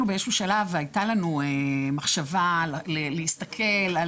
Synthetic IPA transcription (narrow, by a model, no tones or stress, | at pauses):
nubeeʃuʃalavajtalanuemaχʃavallelehist̪akʰe̞la